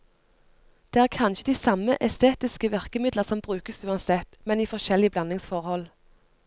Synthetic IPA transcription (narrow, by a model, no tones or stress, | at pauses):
d̪̥eːæːʁkʰɑnʃəd̪iːsɑməʔɛst̪eːt̪ɪskəʋæʁkəmɪd̪ləʁsɔmbʁʉːkəsʉːɑnsɛt̪mɛniːfɔʃɛlɪəblɑnɪŋsfɔʁhɔl